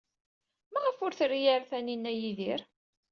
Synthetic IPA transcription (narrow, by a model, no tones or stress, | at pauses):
mæʁəfʊɾθrːijaɾθæninːæjiðiɾ